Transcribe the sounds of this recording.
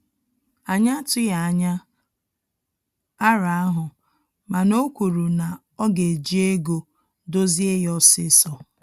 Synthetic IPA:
a˨ɲa˦tʊ˦ja˨a˨ɲa˦ | a˦ɾa˨a˦ɦʊ˨ | ma˨no˦kʷu˨ɾu˨na˨ | ɔ˦ɡe˨d͡ʒi˦e˦ɡo˨ | do˦zi˦e˦jɔ˦sɪ˦sɔ˨

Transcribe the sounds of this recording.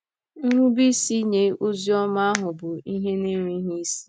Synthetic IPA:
n̩˦ɾʷu˦bi˦si˦ɲe˦o˦zi˦ɔ˦ma˦a˦ɦʊ˨bʊ˨i˦ɦe˦ne˦ŋʷi˦ɦi˦si̥˦

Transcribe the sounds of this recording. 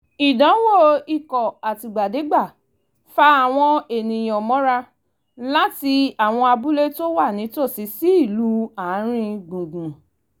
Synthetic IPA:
i˨dã˨˦wo˦˨i˨kɔ˨a˨ti˨ɡ͡ba˨de˨˦ɡ͡ba˦˨ | fa˦a˦˨w̃ɔ̃˧e˨nĩ˨j̃ɔ̃˨mɔ̃˨˦ɾa˧ | la˦ti˧a˦˨w̃ɔ̃˧a˧bu˦le˦to˦wa˦˨nĩ˨˦to˦˨si˨˧˦si˦i˦˨lu˨˦a˨˦ɾ̃ĩ˧ɡũ˨ɡũ˨

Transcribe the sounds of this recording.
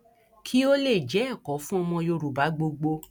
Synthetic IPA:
kʰi˦o˦le˦˨d͡ʒɛ˨˦˨kɔ˨˦fũ˦ɔ˧mɔ̃˧jo˧ɾu˨ba˨˦ɡ͡bo˧ɡ͡bo˧

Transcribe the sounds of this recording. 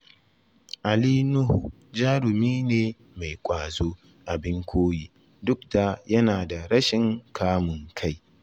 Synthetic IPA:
ʔa˨liː˦nʊ˦hu˨ | d͡ʒaː˦ɽʊ˨miː˦neː˨ | ma˨jkʷʼaː˨zoː˦ | ʔa˨bɪ˦ŋkʷʰoː˦jiː˦ | dʊ˦k̚da˨jɐ˦naː˨da˨ɾɐ˦ʃɪ˨ŋkʰaː˦mʊ˨ŋkʰa˦j

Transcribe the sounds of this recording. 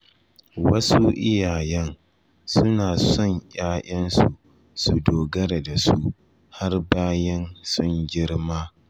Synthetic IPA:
wɐ˦su˦ʔɪ˦jaː˨jɛ˦ŋ | sʊ˦naː˨sɔ˦˨ɲjaː˦ʔɐ˦nsu˨ | su˨doː˨ɡɐ˦ɾe˨da˨su˦ʔ | ha˦rbaː˦jɛ˦nsʊ˦ŋɡʲɪ˦rmaː˦

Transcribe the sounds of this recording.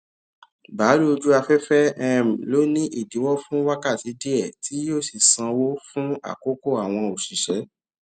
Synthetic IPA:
ba˨˦ɾu˦o˧d͡ʒu˦a˧fɛ˦fɛ˦ɛ˦˨m̩˨lo˦nĩ˦ʔi˦˨di˨˦wɔ˦fũ˦wa˦ka˦˨ti˨˧˦de˦ɛ˦˨tʰi˨˦joː˦˨si˦˨sã˧wo˦fũ˦a̰˦˨ko˦ko˦˨a˨w̃ɔ̃˧o˨ʃi˨ʃɛ˨˦

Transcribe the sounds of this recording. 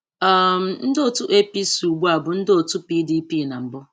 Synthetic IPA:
a˦m̩˨n̩˦do˦tu˦ʔe˦pi˦su˨ɡ͡bu˦a˨bʊ˨n̩˦do˨tu˦pi˦di˦pi˦˨na˨m̩˨bʊ˦

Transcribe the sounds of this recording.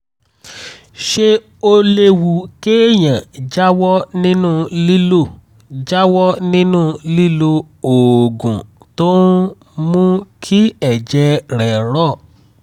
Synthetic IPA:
ʃe˧ | o˧le˧wu˨ke˦e˦˨jã˨d͡ʒa˦wɔ˦nĩ˦nũ˦li˦lo˦˨ | d͡ʒa˦wɔ˦nĩ˦nũ˦li˦lo˧ | o˨ɡũ˨ | to˦ | mũ˦kʰi˦ɛ˨d͡ʒɛ˧ɾɛ˨ɾɔ˦˨

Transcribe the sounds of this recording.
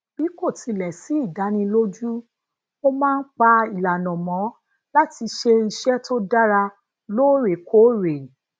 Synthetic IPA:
b̥i˨˦ko˦˨ti˧lɛ˨si˨˦i˦˨da˨˦nĩ˧lo˦d͡ʒu˦ | o˦mãː˦˧n̩˦k͡pa˧i˨la˨nɔ̃˨mɔ̃˨˦ | la˦ti˧ʃe˧i˧ʃɛ˦tʰo˦da˦ɾa˧ | loː˦ɾe˨kʰo˨˦ɾe˨

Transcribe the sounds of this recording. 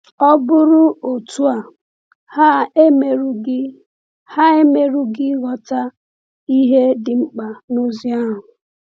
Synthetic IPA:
ɔ˦bʊ˦ɾʊ˦o˨tu˦a˨ | hme˨ɾ | ha˦e˦me˨ɾu˦ɡɪ˦ɣɔ˨ta˦ | i˦ɦe˦dɪ˨ŋ͡m̩˦k͡pa˨no˦zi˦a˦ɦʊ˨

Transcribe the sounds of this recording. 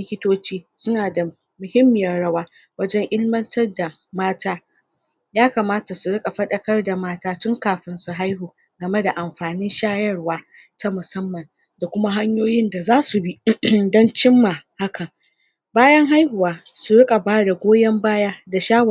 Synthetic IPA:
kʲɪ˦toː˦t͡ʃiː˦sʊ˦naː˨da˨ | mʊ˨hɪ˦mːɪ˨jɐ˦ɽɐ˦waː˦ | wɐ˦d͡ʒɛ˦ŋʔɪ˦lmɐ˦ntɐ˦rda˨ | maː˦taː˦ | jaː˦ka˨maː˦ta˨su˨ɽɪ˦kʼa˨ɸɐ˦ɗɐ˦kɐ˦rda˨maː˦taː˦tʊ˦ŋkaː˨ɸɪ˦nsu˨ɦa˦jɦuː˨ | ɡɐ˨me˦da˨ʔa˨mɸaː˨nɪ˦nʃaː˦jɐ˦rwaː˦ | ta˦mʊ˨sɐ˦mːɐ˨n | da˨kʷʊ˦ma˦ɦa˦ɲjoː˦jɪ˦nda˨zaː˦su˨bi˦dɔ˦nt͡ʃɪ˦mːa˨ha˦kɐ˨ŋ | baː˦jɐ˦ŋɦa˦jhʊ˨waː˨su˨ɾɪ˦kʼa˨baː˦da˨ɡʷoː˦jɛ˦mbaː˦jaː˦da˨ʃaː˦w

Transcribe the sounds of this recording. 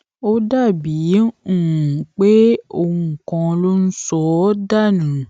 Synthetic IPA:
o˦da˦˨bi˨˦˨ | k͡pe˦o˦˧u˦ŋ̩˨kɔ̃˧lo˦n̩˦sɔ˦da˦˨nũ˨

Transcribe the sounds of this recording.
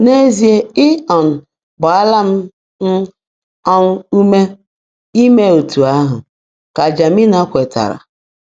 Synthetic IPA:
ne˦zi˦e˦ɪ˦ɔ˨n̩˨ | bʊ˨a˦la˦m̩˦ | n̩˦ | ɔ˦n̩˦u˦me˦ | i˦me˦o˨tu˨a˦ɦʊ̰˨ | ka˨d͡ʒa˨mi˦na˦kʷe˨ta̰˨ɾa̰˨

